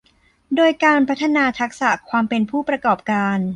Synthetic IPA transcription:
doː˧jkaː˧npʰa˦˥t̪ʰːa˧naː˧t̪ʰa˦˥k̚sa˨˩kʰwaː˧mpe˧npʰuː˥˩pɾa˧kɔː˨˩p̚kaː˧n

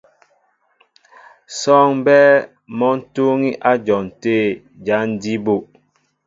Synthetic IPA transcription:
sɔ˦ŋbɛ˦ | mɔ˦n̩˦to˦ŋi˦ʔa˦d͡ʒɔ˨n˨teː˦˨ | d͡ʒa˨˦n̩˦di˦bo˦˨ʔ

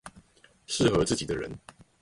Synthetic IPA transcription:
ʂɻ̩˥˨xɤ˨˦t͡sɹ̩˥˩t͡ɕi˨˩d̪ə˦ɻə̰˧˦n

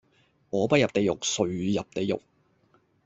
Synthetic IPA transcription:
ŋɔː˨˧pɐ˥t̚jɐ˨p̚t̪e˨jʊ̰˨k̚sɵ˨ɥjɐ˨p̚t̪e˨jʊ̰˨˩k̚

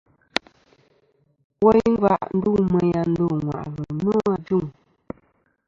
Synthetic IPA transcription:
wɔ˦jŋ̩˦ɡa̰˦˨ʔn̩˦du˦˨ŋmɛ˨ja˨n̩˦do˦˨ŋwa̰˨ʔɣə˨nɔ˦a˦˨d͡ʒu˦˨ŋ

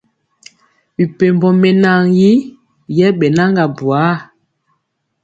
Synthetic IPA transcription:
wi˨pe˨mbɔ˨mɛ˨na˦˨ŋji˦ | jɛ˦ɓɛ˨na˦ŋɡa˨bu˨a˨˦

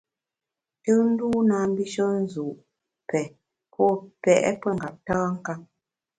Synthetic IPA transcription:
tɨ˦n̩˦duː˦naː˨˦m˦bi˦ʃə˦n̩˦zu˨ʔ | pɛ˨ | pʰɔ˦˨pɛ˨ʔɛ̰˦pə˦˨ŋ̩˨ɡa˨p̚taː˦ŋ̩˦ka˦ŋ

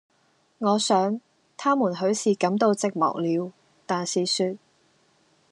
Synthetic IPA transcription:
ŋɔː˨˧sœː˨˥ŋ | t̪ʰaː˥muː˨˩nɦɵ˨˥ɥsiː˨kɐ˨˧˥mt̪o˧wt͡sɪ˨k̚mɔ̰˨˩k̚liː˨˧w | t̪aː˨nsiː˨syː˧t̚

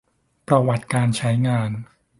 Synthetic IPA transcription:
pɾa˧wa˨˩t̪̚kaː˧nt͡ɕʰa˦˥jŋaː˧n

